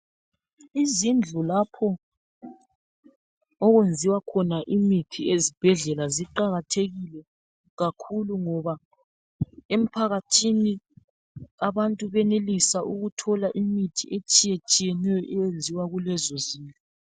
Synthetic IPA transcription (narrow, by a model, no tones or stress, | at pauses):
izind͡ɮʱulapʰɔ | ɔɣwend͡zʱiwakʰɔnaʔimitʰiezib̥ʱɛɮɛlaziǃaɣatʰeɣilɛ | ɣakʰuluŋɔβa | em̩pʰaɣatʰini | aβantʼuβɛnelisaʔuɣutʰɔlaʔimitʰiʔet͡ʃʼijet͡ʃʼijɛnɛjɔʔɛjend͡zʱiwaɣulɛzɔziːnfʼɔ